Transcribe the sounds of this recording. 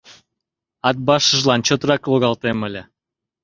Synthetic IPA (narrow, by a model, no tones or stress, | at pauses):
ɑt̪̚bɑʃəʒlɑnt͡ɕot̪rɑkloɣɑlt̪eməlʲĕ